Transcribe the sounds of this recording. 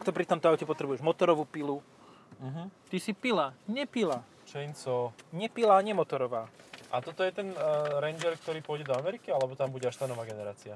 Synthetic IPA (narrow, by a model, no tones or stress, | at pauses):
kt̪ɔpɾit̪amt̪ɔaɔc̪ipɔt̪ɾɛbujɛʒmɔt̪ɔɾɔʋuːpilu | m̩ɦm̩t̪isipilaɲɛpila | t͡ʃɛjnt͡sɔɲɛpilaɲɛmɔt̪ɔɾɔʋaːʔat̪ɔt̪ɔjɛt̪ɛnɾɛnd͡ʒɛɾkt̪ɔɾiːpʊɔjɟɛd̪ɔamɛɾikialɛbɔt̪ambuɟɛaʃt̪aːnɔʋaːɡɛnɛɾaːt͡sia